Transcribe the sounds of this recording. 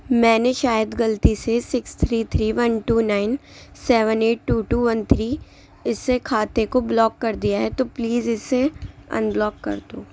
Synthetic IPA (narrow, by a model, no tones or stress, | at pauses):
mɛ̃ːneʃaːjəd̪ɡɐlt̪isesɪkst̪ʰɾiːt̪ʰɾiːʋɐ̃nʈuːnaːɪnsɛːʋəneːʈ̚ːuːʈuːʋɐnt̪ʰɾiː | ɪsːekʰaːt̪ekoblɔːkːɐɾd̪ijaɦɛt̪opliːzɪsːeə̰̃nblɔːkːɐ̰ɾd̪oː